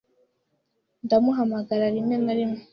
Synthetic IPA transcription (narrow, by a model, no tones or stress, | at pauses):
ndamuɦamaɡaɾaɾimɲenaɾimŋo